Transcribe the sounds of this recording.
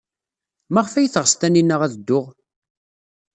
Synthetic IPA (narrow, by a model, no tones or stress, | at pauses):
mæʁfæjθəʁst̪æninːəʁæðəd̪ːʊʁ